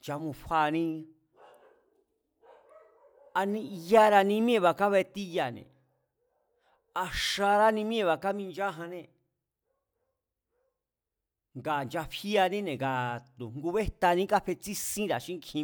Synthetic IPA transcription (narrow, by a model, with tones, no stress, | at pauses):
nt͡ʃa˧mũ˧ɸa˧nĩ˧ | a˧nĩ˧i˧ja˦ɾa˧nĩ˧˦mĩ˦ẽ˧βa˧ka˦βe˧t̪i˦ja˧˨nḛ̃˨ | a˧ʃa˧ɾa˦nĩ˧mĩ˦ẽ˦˧βa˧ka˦mĩ˧nd͡ʒa˦ɦã˧nẽ˧ | ŋɡa˨nd͡ʒa˧ɸi˦a˧nĩ˦nẽ˨ɡa˨t̪u˨ŋɡu˧βe˦t̪a˧nĩ˦ka˦ɸe˧t͡si˦sĩ˦ɾa˨ʃĩ˦ŋ˦kʰĩ˧